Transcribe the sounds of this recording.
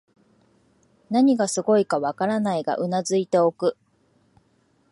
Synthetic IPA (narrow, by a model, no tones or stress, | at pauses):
naɲ̟iɡasɨɡo̞ikaβakaɾanaiɡa̰ʔɯ̟nazɨit̪e̞o̞kɯ̟